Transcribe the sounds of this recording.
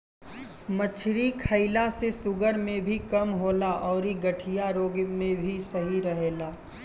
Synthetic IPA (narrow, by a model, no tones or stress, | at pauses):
mət͡ʃʰɾikʰəɪlasesʊɡəɾmẽbʱikɐmɦoːlaʔɔːɾiɡɐʈʰijaɾoːɡmẽbʱisɐɦiɾɐɦeːlaː